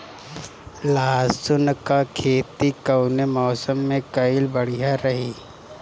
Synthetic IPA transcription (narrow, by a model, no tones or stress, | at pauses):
laːsʊnkakʰeːt̪ikɐwnemɔːsəmːẽkɐɪlbɐɽ̤ijaɾɐɦiː